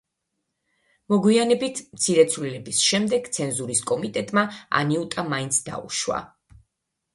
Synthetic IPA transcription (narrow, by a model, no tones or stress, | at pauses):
mɔɡwianɛbit̪ʰmt̪sʰiɾɛt̪sʰvlilɛbisʃɛmd̪ɛɡ̥t̪sʰɛnzuɾiskʼɔmit̪ʼɛt̪ʼmaa̰niut̪ʼamaint̪sʰd̪a̰ṵʃwa̰